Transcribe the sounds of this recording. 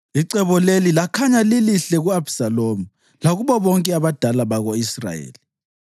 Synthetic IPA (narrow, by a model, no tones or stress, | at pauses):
iǀɛβɔlelilakʰaɲaliliɬɛɣuabsalomu | laɣuβɔβɔŋkʼɛaβad̥ʱalaβaɣoisra̰jḛːli